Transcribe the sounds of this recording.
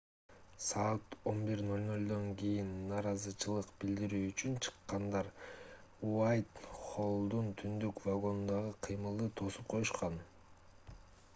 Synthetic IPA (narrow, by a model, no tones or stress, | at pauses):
sɑːt̪o̞nbiɾnolʲnolʲd̪o̞ŋkijinːɑːɾɑzɯt͡ʃʰɯlˠɯqbild̪iɾyːt͡ʃynt͡ʃʰɯ̥qːɑnd̪ɑɾ | uɑjt̪χo̞lˠd̪unt̪ʰynd̪ykvaɡo̞nd̪ɑʁɯqʰɯjmɯlˠd̪ɯt̪ʰo̞sup̚qʰo̞juʃqɑn